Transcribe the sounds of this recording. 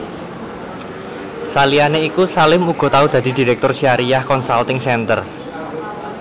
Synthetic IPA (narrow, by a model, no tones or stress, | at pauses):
salianeikusalɪmuɡ̥ɔ̤t̪aud̪̥ä̤d̪̥i̤d̪̥i̤ɾɛk̚t̪ʊrsiaɾijahkɔnsalt̪ɪŋsɛnt̪ə̰r